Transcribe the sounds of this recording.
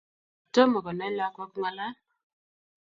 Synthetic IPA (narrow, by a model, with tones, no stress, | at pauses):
to˦mɔ˨ɡɔ˨na˦la˦kɔ˦k̚ŋa˦la˦